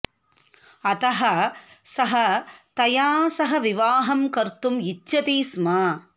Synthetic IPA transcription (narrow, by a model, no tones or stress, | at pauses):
ɐt̪ɐɦɐsɐɦɐt̪ɐjaːsɐɦɐʋɪʋaːɦɐmkɐɾt̪umɪt͡ʃːɐt̪iːsmaː